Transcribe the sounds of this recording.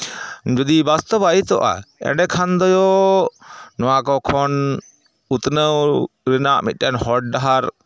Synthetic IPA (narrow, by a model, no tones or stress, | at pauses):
d͡ʒɔd̪ibast̪ɔbait̪ɔʔa̰ɛ̰ɳɖɛkʰand̪ɔjɔ | nɔwakɔkʰɔn | ut̪nəwɾinaʔmit̪̚ˀkanhɔʈ̚ɖaɦaɾ